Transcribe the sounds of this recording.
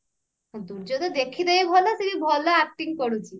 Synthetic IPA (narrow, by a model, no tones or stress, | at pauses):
d̪uɽd͡ʒɔt̪ɔd̪ekʰid̪ajbʱɔlasiɾibʱɔlaak̚ʈiŋɡpɔɽut͡ʃʰi